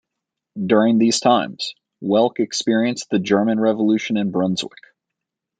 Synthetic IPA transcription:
dʊɹɪ̃ŋðiz̥tʰãɪ̃mz̥ | wɛlˠkɨkspɪɹiɨ̃nsðɨd͡ʒɜ˞mɨ̃nɹɛvəlʉʃɨ̃nɨ̃nbɹʌ̃nzwɪ̰k

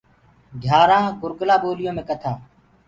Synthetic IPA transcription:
d̪ʱjaːɾãːɡʊɾklaːɓoːlɪjõːmẽːkət̪ʰaː

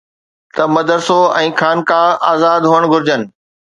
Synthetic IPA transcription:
t̪ɐmɐd̪əɾsoɛ̃ːkʰaːnkʰãːaːzaːd̪ɦoːəɽ̃ɡʱʊɾd͡ʑənɪ̆

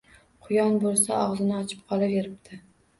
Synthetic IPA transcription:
qʰʊjɒnbolˠsaɒʁzɪnɪɒt͡ʃʰɪ̥p̚qʰɒlˠɪpjeɾɪp̚t̪ʰɪ

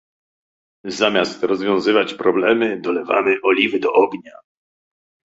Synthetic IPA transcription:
zamʲast̪ɾɔzvʲjɔ̃w̃zɘvat͡ɕpɾɔblɛmɘd̪ɔlɛva̰mɘʔɔlʲivɘd̪ɔʔɔɡɲa

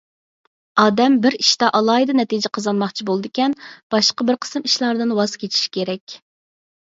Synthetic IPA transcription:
ɑːd̪ɛmbɪɾiʃt̪ɑʔɑlˠɑːid̪ɨnɛt̪id͡ʒɪqʰɑzɑnmɑχt͡ʃʰibolˠɨd̪ɪkʲɛnb̥ɑʃqɑbɪɾqʰə̥sɨmiʃlˠɑɾd̪ɨnwɑz̥kʲet͡ʃʰi̥ʃkʲeɾɛkʲ

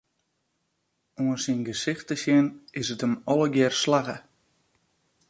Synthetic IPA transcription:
uəsinɡəsɪxtəsjɪnɪsətəmɔləɡjɪrslaɣə

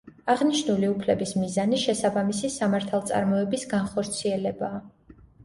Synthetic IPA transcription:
aʁniʃnuliupʰlɛbismizaniʃɛsabamisisamaɾt̪ʰalˠt̪sʼa̰ɾmɔɛbisɡanχɔɾt̪sʰiɛlɛbaː

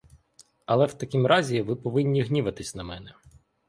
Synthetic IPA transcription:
ɐlˠɛwt̪ɐkʲimɾʔɑzʲiʋɪpɔʋɪnʲːiɦnʲiʋɐt̪ɪsʲnɐmɛnɛ

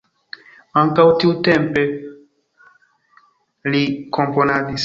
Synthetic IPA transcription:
aŋkawtiutempe̞ | liko̞mpo̞nadis

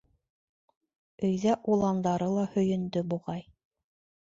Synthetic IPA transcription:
ɵ̆jðæʔulˠɑnd̪ɑɾɤlˠɑhɵ̆jɵ̆nd̪ɵbuʁɑj

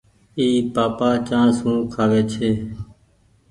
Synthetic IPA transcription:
iːpaːpaːt͡ʃãːsɦũːkʰaːʋeːt͡ʃʰeː

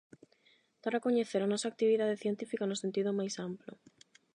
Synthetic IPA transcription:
t̪aɾakoɲeθeɾanɔsaːk̚t̪iβiðaðeθjent̪ifikanʊsẽnt̪iðʊmajsamplʊ̰

